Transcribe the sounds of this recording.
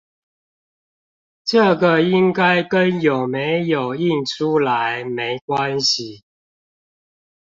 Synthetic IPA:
ʈ͡ʂɤ˥˩ɡə˨i˦ŋka˥ɪkə˦˥njo˨˩ʊme˨˦ɪjo˨˩ʊi˥˨nʈ͡ʂʰu˦˥la˧˦ɪme˧˦ɪkwa˦nɕi˨

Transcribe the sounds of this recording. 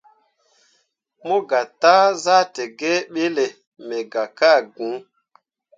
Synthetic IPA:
mo˦ɡa˨ta˦za˦te˨ɡɛ˦ɓe˦le˨ | mɛ˨ɡa˨ka˦˨ɡũ˨˦

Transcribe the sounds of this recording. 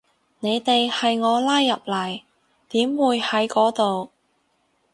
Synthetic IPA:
ne˨˧jt̪e˨jhɐ˨jŋɔː˨˧laː˥jːɐ˨p̚lɐ˨˩j | t̪iː˨˥mwuː˨˧jhɐ˨˥jkɔː˨˥t̪o˨w

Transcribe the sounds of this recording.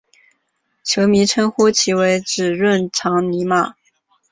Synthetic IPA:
t͡ɕʰjo˧˥ʊmi˧˥ʈ͡ʂʰə˥ŋxu˥t͡ɕʰi˧˥we˧˥ɪʈ͡ʂɻ̩˨˩ɻwə˥˩nʈ͡ʂʰɑ˧˥ŋni˧˥ma˨˩

